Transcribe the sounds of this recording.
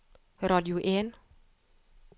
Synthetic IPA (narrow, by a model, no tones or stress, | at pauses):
ɾɔːt̚juːʔeːn